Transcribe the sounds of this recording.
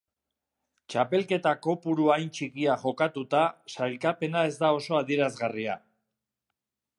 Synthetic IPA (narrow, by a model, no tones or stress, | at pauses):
t͡ʃape̞lke̞t̪ako̞puɾuajnt͡ʃikiaʝo̞kat̪ut̪asajlkape̞nae̞zd̪ao̞so̞aðieɾazɣaria̰